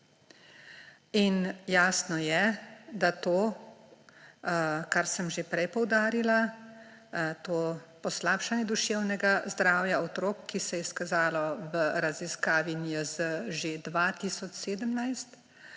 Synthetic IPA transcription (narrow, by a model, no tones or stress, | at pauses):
injaːsnɔjɛd̪at̪oː | kaɾsəmʒepɾɛjpɔwd̪aːɾila | t̪oːpɔslaːpʃanjɛd̪uʃewnɛɡazd̪ɾaːwjaɔt̪ɾoːkːisɛjɛskazaːlɔʋəɾaziskaːʋinjɔzəʒed̪ʋat̪iːsɔt͡ʃseːd̪əmnajst̪